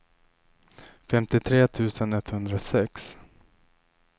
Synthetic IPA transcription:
fɛmt̪ɪt̪ʰɾeːt̪ʰʉ̟ːsənɛt̪ːhɵnd̪ɾasɛks

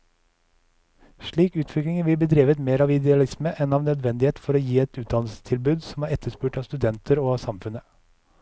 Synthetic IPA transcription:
ʃɭiːkʉːt̪ʰʋɪklɪŋənʋɪlbəd̪ɾiːʋət̪meːɾɑːʋɪd̪ɛɑlɪsməʔɛnɑːʋnœd̪ʋɛnd̪ɪheːt̪fɔɾoːjiːɛt̪ʉːt̪̚d̪ɑnl̩sə̥t̪ʰɪlbʉːd̪sɔmhæːɾɛt̪ʰəʂpʉːʈɑːst̪ʉd̪ɛnt̪ʰəɾoːɑsɑmfʉnə

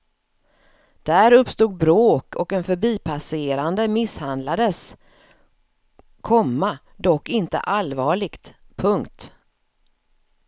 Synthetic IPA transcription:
d̪̥æɾɵpst̪uːɡ̪̚bɾoːkʰɔkɛnfœɾbiːpʰaseːɾand̪əmɪshand̪lad̪əs | kʰɔmːa | d̪ɔkːɪnt̪ə̰ʔalvɑːɭɪɡt̪pʰɵŋkt̪

